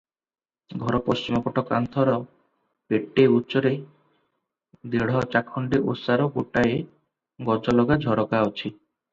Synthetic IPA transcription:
ɡʱɔɾɔpɔst͡ʃimɔpɔʈɔka̰nt̪ʰɔɾɔ | peʈːeutːt͡ʃɔɾe | d̪eɽ̤ɔt͡ʃakʰɔɳɖeʔosaɾɔɡoʈae | ɡɔd͡ʒɔlɔɡad͡ʒʱɔɾɔkaot͡ʃʰi

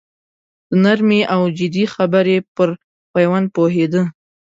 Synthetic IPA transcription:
d̪̥ənaɾmeʔawd͡ʒɪd̪ixabəɾepəɾ | pajwan̚poɦed̪ə

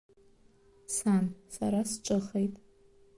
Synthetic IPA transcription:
sansa̰ɾasʈ͡ʂʼɨχejtʼ

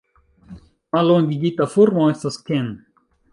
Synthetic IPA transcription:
mɐlõːŋɡiɡit̪ɐfuɾmõːist̪ɐsken

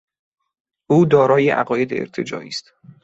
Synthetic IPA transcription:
ʔuːd̪ɒːɾɒːjeʔæ̰ɣɒːje̞d̪ḛḛɾt̪ʰe̞d͡ʒɒ̰ːʔḭːst̪

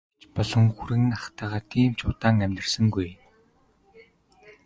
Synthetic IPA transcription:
t͡ɕpɔɮɞ̆ŋxuɾɘ̆ŋaχt̪æːʁaːt̪ʰiːmt͡ɕʰʊːt̪aːŋæmʲt̪ɘ̆rsɘ̆ŋɡuj

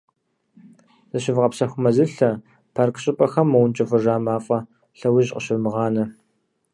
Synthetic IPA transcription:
z̥ɨɕɪvqɐpsɐxʷʊmɐzɨɬɐ | pʰarkʰɕʼɪpʼɐxɐmːɐwnt͡ʃʼɪfɨʐaːmaːfʼɐ | ɬɐwɪʑqəɕɪrmɨʁɑːnɐ

